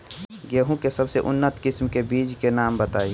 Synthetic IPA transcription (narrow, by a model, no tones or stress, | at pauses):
ɡeːɦũkesɐbseʔʊnːət̪kɪsmkebiːd͡ʒkenaːmbət̪aːi